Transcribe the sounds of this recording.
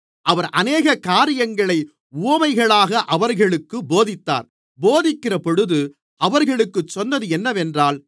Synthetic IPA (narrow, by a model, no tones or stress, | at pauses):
ʔɐʋɐɾʔɐneːɣɐkaːɾɪjɐŋɡɐɭɐɪ | uːɐmɐɪɣɐɭaːɣɐʔɐʋɐɾɣɐɭɯkːɯboːðɪt̪ːa̰ːɾ | boːðɪkːɪrɐpɔɽɯðɯ | ʔɐʋɐɾɣɐɭɯkːɯt͡ʃːɔnːɐðɯɛnːɐʋɛndraːl